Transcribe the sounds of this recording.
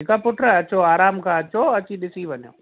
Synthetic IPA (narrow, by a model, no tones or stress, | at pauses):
ɪkapʊʈɾaɐt͡ɕoaːɾaːmkʰãːɐt͡ɕoɐt͡ɕiɗɪsiʋɐɲjo̰ː